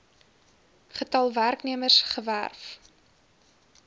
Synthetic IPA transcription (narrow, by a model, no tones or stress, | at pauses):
χətɐlˠværkniəmərsχəvæ̰rf